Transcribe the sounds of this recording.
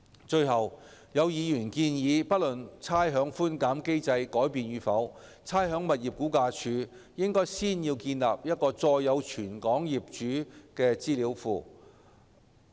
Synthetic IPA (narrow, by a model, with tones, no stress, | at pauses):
t͡ʃɵ˧ɥɦɐ˨wjɐ˨˧wjiː˨˧jyː˨˩nkiː˧njiː˨˧pɐ˥t̚lɵ˨nt͡sʰaː˥jɦœː˨˥ŋfuː˥nkaː˨˥mke˥jt͡sɐ˧jkɔː˨˥jpiː˨˧njyː˨˧fɐ˨˥w | t͡sʰaː˥jɦœː˨˥ŋmɐ˨t̚jiː˨p̚kuː˨˥kaː˧t͡ʃʰyː˨˧ | jɪ˥ŋkɔː˥jsiː˥njiː˧wkiː˧nlaː˨p̚jɐ˥t̚kɔː˧t͡sɔː˧jːɐ˨˧wt͡ʃʰyː˨˩nkɔː˨˥ŋjiː˨p̚t͡ʃyː˨˥kɛː˧t͡siː˥liː˨˥wfuː˨˧